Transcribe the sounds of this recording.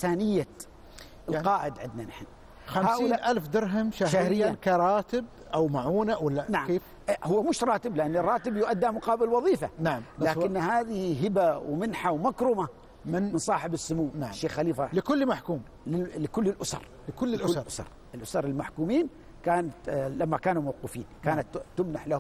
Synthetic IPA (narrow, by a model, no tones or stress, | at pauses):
θaːnɪjːa | ɪlaqɑːʔɪd̪ʕɪd̪nanaħɪn | xamhaːʊlːaʔalfd̪ɑɾˤɦamʃahahɾɪjːankaɾˤɑːt̪ɪb̚ | ʔawmaʕuːnawɪlːanaʕkeːf | hʊwːamʊʃɾˤɑːt̪ɪblɪʔanːɪrˤːɑːt̪ɪbjʊʔad̪ːamʊqɑːbɪlwɑðˤiːfanaʕamlaːkɪnːhaːðɪhiɦɪbawmɪnħawmakɾʊma | mɪnmɪnsˤɑːħɪbɪsːʊmuːnaʕʃːeːxːaliːfalɪkʊlːmaħkuːm | lɪlɪkʊlːɪlʔʊsɑ̰ɾˤ | lɪkʊlːɪlʔʊsɾˤsɾˤ | ɪlʔʊsɑɾˤɪlmaħkuːmiːn | kaːnalamːakaːnumawqɪfiːnkaːnat̪tːʊmnaħlahʊ